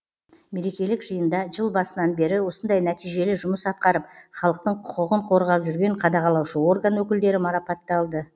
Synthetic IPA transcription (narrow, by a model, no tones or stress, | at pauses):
me̞ɾe̞kʲe̞lɪkʒəjənd̪ɑʒəlˠbɑsənɑnbe̞ɾɪwo̞sənd̪ɑjnæt̪ijʒe̞lɪʒʊməsɑt̪̚qɑɾəp̚χɑlˠəq̚t̪əɴqʰʊ̥qəʁəɴqʰo̞ɾʁɑpʒʏɾɡʲe̞ɴqʰɑd̪ɑʁɑlˠɑwʃəo̞rɡanwɵkʲɪld̪e̞ɾɪmɑɾɑpɑt̪ːɑlˠd̪ə